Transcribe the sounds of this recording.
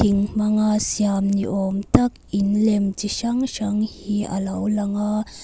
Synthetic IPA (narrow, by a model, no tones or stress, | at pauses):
iŋmɐŋasiamnḭʔɔmt̪ak̚ʔinlɛmt͡ʃiʃaŋʃaŋhiʔɐ̰lɐwlɐŋa